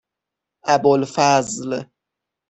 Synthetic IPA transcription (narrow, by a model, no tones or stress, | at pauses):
ʔæbolfæzl